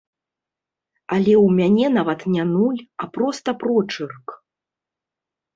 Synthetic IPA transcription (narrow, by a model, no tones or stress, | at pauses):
alʲɛwmʲanʲɛnavɐt̪nʲanulʲapɾɔst̪ɐpɾɔt͡ʂɨrk